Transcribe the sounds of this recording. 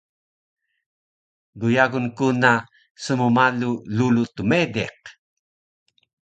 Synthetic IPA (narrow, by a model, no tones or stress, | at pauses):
ɡujaɣunkuna | səmumalululutumedḛq